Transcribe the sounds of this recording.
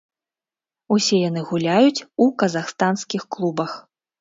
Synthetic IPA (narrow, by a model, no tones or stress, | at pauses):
usʲɛjanɨɣulʲajut͡sʲukɐzaxst̪anskʲixklˠubɐx